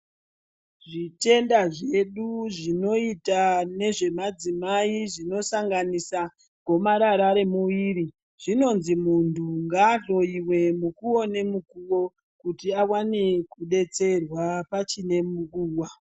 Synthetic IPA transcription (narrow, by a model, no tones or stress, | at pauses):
ʐite̞ndaʐeɗuʐino̞itane̞ʐe̞mad͡zimaiʐino̞saŋɡanisa | ɡʱo̞maɾaɾaɾe̞muʋiːɾi | ʐ̥ino̞nzimuntʰuŋɡaːɬo̞iwe̞mukuo̞ne̞mukuwo | kutiawane̞kuɗe̞t͡se̞rwapat͡ʃine̞muk̬uːwa